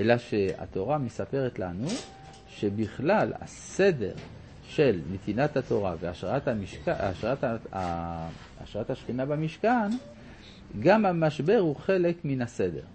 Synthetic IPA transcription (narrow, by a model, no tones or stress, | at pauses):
ʔelaʃe̞a̰t̪o̞ʁamesape̞ʁet̪lanu | ʃe̞biχlala̰se̞de̞̰ʁ | ʃe̞lnet̪inat̪hat̪o̞ʁaveaatamiʃkaaʃʁataa | aʃʁathaʃχinabamiʃkan | ɡamhamaʃbe̞ʁhuχe̞le̞kminase̞de̞̰ʁ